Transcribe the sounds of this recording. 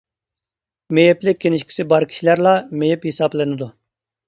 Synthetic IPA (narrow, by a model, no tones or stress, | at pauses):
mejɛplɪk̚ʲʰːenɪʃkʲʰi̥sɪbɑɾkʲʰi̥ʃilæɾlˠɑmejɛphisɑplˠɨnɪd̪u